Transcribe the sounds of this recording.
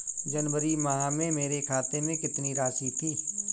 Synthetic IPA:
d͡ʒɐnwəɾimɐɦamẽmeːɾekʰaːt̪emẽkɪt̪niɾaːʃit̪ʰiː

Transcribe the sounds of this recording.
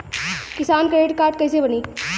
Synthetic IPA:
kɪsaːnkɾeːʈkaːɾʈ̚kɐjsebəniː

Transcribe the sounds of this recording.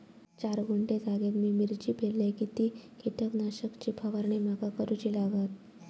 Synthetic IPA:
t͡ɕaɾɡuɳʈed͡zaɡet̪miːmiɾt͡ɕiːpʰellekit̪iːkʰiʈ̪əknaɕəkt͡ɕipʰəʋaɾɳimakakəɾut͡ɕilaɡət̪̚

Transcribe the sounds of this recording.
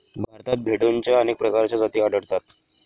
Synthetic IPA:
bʱaɾt̪at̪̚bʱeɽunt͡ɕjaənek̚pɾəkaɾt͡ɕjad͡zat̪iːaɽəɽt̪at̪

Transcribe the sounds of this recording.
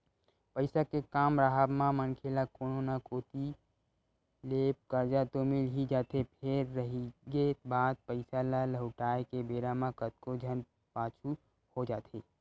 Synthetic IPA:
pəɪsakekaːmɾaɦabmãmənkʰelakoːnonakoːt̪i | leːp̚kəɾd͡ʒat̪omɪlɦid͡ʒaːt̪epʰeɾːəɦiɡebaːd̪̚pəɪsalaləɦʊʈaːekebeːɾamãkət̪̚kod͡ʒʱən | paːt͡ʃʰu | hod͡ʒaːt̪ʰeː

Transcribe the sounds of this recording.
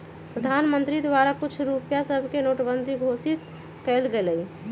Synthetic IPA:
pɾəd̪ʱaːnmə̃nt̪ɾid̪ʋaɾakʊt͡ʃʰɾupjasəbʱkenoːʈbənd̪ʱiɡʱosit̪ | kɛlɡeləi

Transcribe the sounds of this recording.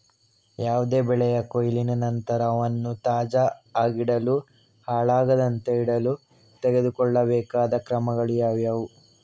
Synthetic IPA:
jaːʋud̪e̞ːbɛɭɛjɐkojilinɐnɐnt̪ɐɾɐːʋɐnːut̪aːd͡ʒɐaːɡiɽɐlu | haːɭaːɡɐd̪ɐnt̪eiɽɐlu | t̪eɡe̞d̪ukɔɭːɐbɛːkaːd̪ɐkɾɐmɐɡɐɭijaːʋjɐʋu

